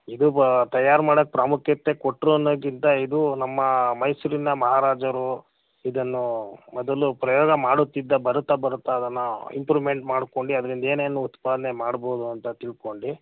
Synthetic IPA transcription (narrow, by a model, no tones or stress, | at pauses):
id̪ut̪ɐjaːɾmaːɽokːepɾaːmukʰjɐt̪ːe̞koʈːɾonoɡint̪ɐid̪unɐmːɐmɐjsuɾinɐmɐɦaːɾaːd͡ʒɐɾu | id̪ɐnːumɔd̪ɐlupɾɐjɔːɡɐmaːɽut̪ːid̪ːɐbɐɾut̪ːɐbɐɾut̪ːɐːd̪ɐnːuḭmpɾiʋme̞ɳʈmaːɽko̞ɳɖiɐd̪ɐɾind̪ɐe̞ːneːnːuut̪paːd̪ɐnemaːɽboːd̪uɐnt̪ɐt̪iɭko̞ɳɖi